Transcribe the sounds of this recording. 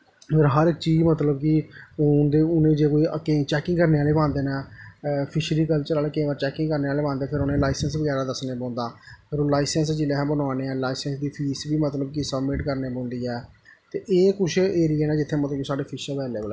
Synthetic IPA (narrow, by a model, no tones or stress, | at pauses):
pʰɪɾɦəɾɪk̚t͡ʃiːd͡ʒmət̪ləbkɪʊnd̪eːʊnẽːd͡ʒeːkoːiːket͡ʃɛːkɪ̃ŋɡkəɾneːaːleːbãːnd̪eːnɛːpʰɪʃɾiːkəlt͡ʃəɾaːleːkẽʋəːɾt͡ʃɛːkɪ̃ŋkəɾneːaːleːbãːnd̪eːpʰɪɾʊnẽːlaːɪsənsʋəɡɛːɾaːd̪əsnebɔ̃ːnd̪aːpʰɪɾõːlaːɪsənsd͡ʒɪlɛːɦːbənaːneːɛːlaːɪsənsd̪iːpʰiːsbiːmət̪ləbkɪsəbmɪʈkəɾneːbɔ̃ːnd̪iːɛː | t̪eːʔeːkʊt͡ʃʰeːɾiːɛːnɛːd͡ʒɪt̪ʰːeːmət̪ləkisaːɖeːpʰɪʃːpɛːleːbəlː